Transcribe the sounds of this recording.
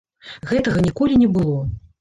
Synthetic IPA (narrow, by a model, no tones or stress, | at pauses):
ɣɛt̪ɐɣɐnʲikɔlʲinʲɛbɨlˠɔ